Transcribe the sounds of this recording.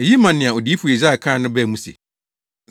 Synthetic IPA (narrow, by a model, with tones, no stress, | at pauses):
ɛ˨ji˦mã˨nɪ̃˨a˨ɔ˨di˦fu˨ɛ˨za˦a˨kʰãː˦nʊ̃˦bɛ˦˨mũ˦sḛ˨